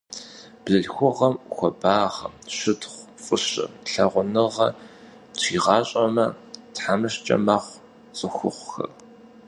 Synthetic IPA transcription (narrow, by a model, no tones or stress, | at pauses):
b̥zɨɮxʷʊʁɐmxʷɔbaːʁɐ̰mʃɪtχʷfʼʊɕʼɪ̰ɬɐʁʷʊnɨʁɐ | tʷʰiːʁɑːɕʼɐmɐ | tħamɨɕt͡ʃʼɐ̰maːχʷ | t͡sʼɨxʷʊχʷxɐ̰r